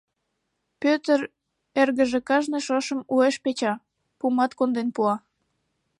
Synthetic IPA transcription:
pøt̪əɾ | erɣəʒekɑʒneʃɤʃə̆mueʃpet͡ɕɑ | pumɑt̪kond̪enpuɑ

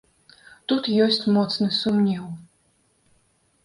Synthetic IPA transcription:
t̪ut̪jɔsʲt͡sʲmɔt̪snɨsumnʲɛw

